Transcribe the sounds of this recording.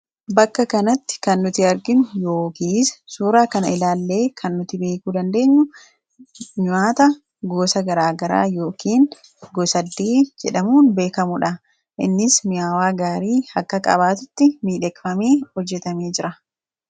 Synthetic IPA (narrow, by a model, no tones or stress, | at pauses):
bɐkːɐkɐnɐt̪ːɪ̥kɐnːʊt̪ɪɐɾɡɪnʊjo̞ːkiːssuːɾaːkɐnɐɪlaːlːe̞ːkʰɐnːʊt̪ɪbe̞ːkuːd̪ɐnd̪e̞ːɲːʊ | ɲʊaːt̪ɐ | ɡoːsɐɡɐɾaːɡɐɾa̰ːjo̞ːkiːn | ɡɔsɐd̪ːeːd͡ʒɛᶑɐmuːnbe̞ːkɐmʊᶑɐ | ʔɪnːɪsmɪjaːwaːɡaːɾiːhɐkːɐkʼɐ̰baːt̪ʊt̪ːɪmiːᶑɛkfɐmeːhɔd͡ʒːɛt̪ɐmeːd͡ʒɪɾɐ